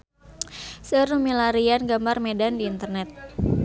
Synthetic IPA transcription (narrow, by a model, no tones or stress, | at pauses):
sərumilaɾianɡambarmedandiːnt̪ərnɛt̪̚